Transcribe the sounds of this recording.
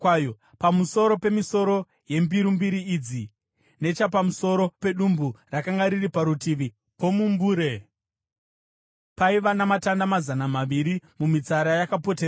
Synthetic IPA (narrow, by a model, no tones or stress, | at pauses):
jo | pamuso̞ɾo̞pe̞miso̞ɾo̞ | je̞mbiɾumbiɾiːd͡zi | ne̞t͡ʃapamuso̞ɾo̞pe̞ɗumburakaŋɡaɾiripaɾutiʋi | po̞mumbuːɾe | paiʋanamatandamazanamaʋiɾimumit͡saɾajakapo̞tera